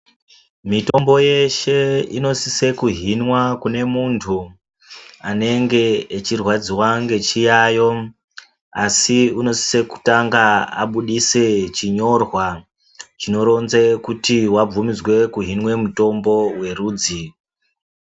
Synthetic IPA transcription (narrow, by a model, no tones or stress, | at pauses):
mito̞mbo̞je̞ʃe̞ḭno̞sise̞kuɦinwakune̞muntʰu | ane̞ŋɡe̞ːt͡ʃirwad͡ziwaŋɡe̞t͡ʃijaːjo̞ | asiuno̞si̥se̞ku̥taŋɡaa̰ɓuɗise̞t͡ʃiɲo̞rwa | t͡ʃino̞ɾo̞nzekutiwab͡vumid͡zwe̞kuɦinwe̞muto̞mbo̞we̞ruːd͡zi